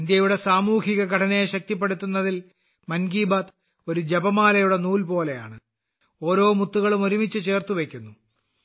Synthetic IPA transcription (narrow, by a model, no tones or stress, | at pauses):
nd̪jɐjuɽe̞saːmuːhiɣɐkɐʈʰɐnɐjeɕɐk̚t̪ipːeɽut̪ːunːɐðil | mɐnɡiːbaːt̪ | o̞ɾud͡ʑebɐmaːlɐjuɽe̞nuːlpo̞ːle̞ja̰ːɳɨ | o̞ːɾo̞ːmut̪ːuɣɐɭumo̞ɾumit͡ɕːɨt͡ɕe̞ːrt̪uʋe̞kʲːunːu